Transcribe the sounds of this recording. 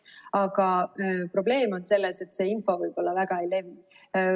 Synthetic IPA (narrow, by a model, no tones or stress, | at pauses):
ɑɡ̥ɑpro̞b̥le̞ːmo̞nse̞lːese̞t̪ːse̞ːinfo̞vɯjb̥o̞lːɑvæɡ̥ɑejle̞vi